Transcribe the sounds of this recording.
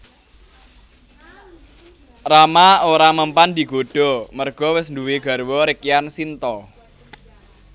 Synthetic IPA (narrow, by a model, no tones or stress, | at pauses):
ramaoɾaməmpand̪i̤ɡ̥o̤ɖ̥ɔ̤mərɡ̥ɔ̤wɪsnduweɡ̥a̤ɾwɔɾikjansint̪ɔ